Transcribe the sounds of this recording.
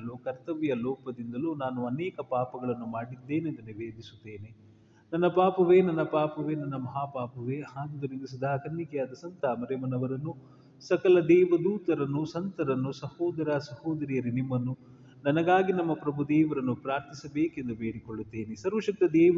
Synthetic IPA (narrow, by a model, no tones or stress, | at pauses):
ɐluːkɐɾt̪ɐʋjɐlɔːpɐd̪ind̪ɐluːnaːnuɐnɛːkɐpaːpɐɡɐɭɐnːumaːɽid̪ːeːnend̪uniʋeːd̪ʱisu̥t̪ːe̞ːne | nɐnːɐpaːpɐʋeːnɐnːɐpaːpɐʋeːnɐnːɐmɐɦaːpaːpɐʋeːhaːɡ̪ud̪ɐɾind̪ɐs̬ud̪aːkɐɾnikɛjaːd̪ɐsɐnt̪aːmɐɾemɐnɐʋɐɾɐnːu | sɐkɐlɐd̪ɛːʋɐd̪uːt̪ɐɾɐnːusɐnt̪ɐɾɐnːusɐhɔːd̪ɐɾaːsɐhɔːd̪ɐɾijɐɾinimːɐnːu | nɐnɐɡaːɡinɐmːɐpɾɐbʱud̪eːʋɐɾɐnːupɾaːɾt̪ʰisɐbeːkend̪ubeːɾikoɭːut̪ːeːnesɐɾʋɐʃɐk̚t̪ɐd̪ɛː